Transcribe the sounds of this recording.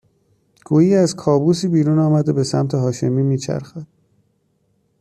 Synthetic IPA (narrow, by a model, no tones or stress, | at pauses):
ɡ̥uːjiːæzkʰɒːbuːsiːbiːɾuːnɒːmæd̪e̞be̞sæ̰mt̪ʰeɦɒːʃemiːmiːt͡ʃʰæ̰ɾxæd̪̥̚